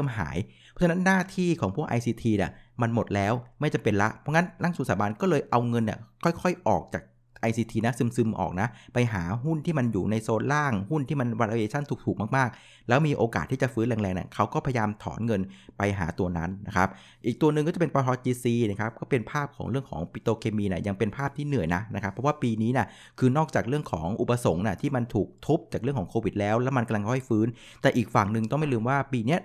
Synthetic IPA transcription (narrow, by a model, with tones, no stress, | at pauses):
mɦa̰ː˩˦jʰ | ɔ˦˥t͡ɕʰa˧na˦˥nːaː˥˩t̪ʰiː˥˩kʰɔː˩˦ŋpʰu˥˩ʔa̰˧jsiː˧t̪ʰiː˧ni˧˩ma˧nmo˨˩t̪̚lɛː˦˥wma˥˩jt͡ɕa˧mpe˧nla˦˥ʔpʰɔ˦˥ŋna˦˥nla˥˩ŋsu˨˩˦nsaː˩˦baː˧nkɔː˥˩lɤː˧jʔa˧wŋɤ˧nːi˨˩kʰɔ˥˩jkʰɔ˥˩jʔɔː˨˩k̚t͡ɕaː˨˩k̚ | ʔa˧jsiː˧t̪ʰiː˧na˦˥sɯ˧msɯ˧mʔɔ̰ː˨˩k̚na˦˥pa˧jɦa̰ː˩˦ɦu˥˩nt̪ʰiː˥˩ma˧njuː˨˩na˧jsoː˧n̚laː˥˩ŋhu˥˩nt̪ʰiː˥˩ma˧nwa˧ɾʔa˧eː˧t͡ɕʰa˥˩nt̪ʰu˨˩t̪ʰuː˨˩k̚maː˥˩k̚maː˥˩k̚ | lɛː˦˥wmiː˧ʔoː˧kaː˨˩t̪ʰːiː˥˩t͡ɕa˨˩fɯː˦˥nlɛː˧ŋlɛː˧ŋnḭ˧˩kʰa˦˥wkɔː˥˩pʰja˧jaː˧mt̪ʰɔ̰ː˩˦nŋɤ˧npa˧jɦa̰ː˩˦t̪u˧ɐna˦˥nːa˦˥kʰa˦˥p̚ | ʔiː˨˩k̚t̪u˧ɐnɯ˨˧ŋkɔ˥˩t͡ɕpe˧npɔː˧tʰɔ˦˥t̚diː˧siː˧nɛ˥˩kʰa˦˥p̚kɔː˥˩pe˧npʰaː˥˩p̚kʰɔː˩˦ŋɾɯ˥˩əŋkʰɔ̰ː˩˦ŋpi˧˥t̪oː˧kʰeː˧miː˧nḭ˥˩ja˧ŋpe˧npʰaː˥˩p̚t̪ʰiː˥˩nɯ˨˩əjna˦˥na˦˥kʰa˦˥pʰːɔ˦˥waː˥˩piː˧niː˦˥ni˧˩ | kʰɯː˧nɔː˥˩k̚t͡ɕaː˨˩k̚ɾɯ˥˩əŋkʰɔː˩˦ŋʔu˨˩pːa˧so˩˦ŋna˧˥˩t̪ʰiː˥˩ma˧nt̪ʰuː˨˩k̚t̪ʰo˦˥p̚t͡ɕaː˨˩k̚ɯ˥˩kʰɔː˩˦ŋkʰoː˧wi˨˩t̪̚lɛː˦˥wlɛː˦˥wma˧nka˧mla˧ŋkʰːha˥˩jfɯː˦˥n | t̪ɛː˨˩ʔiː˨˩k̚fa˨˩ŋnɯ˨˧ŋt̪ɔ˥˩ŋma˥˩jlɯː˧mwaː˥˩piː˧ni˦˥ɐ